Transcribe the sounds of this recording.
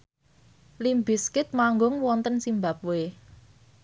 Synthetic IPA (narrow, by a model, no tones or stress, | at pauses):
limbɪskɪt̪̚maŋɡʊŋwɔnt̪ənsimbap̚we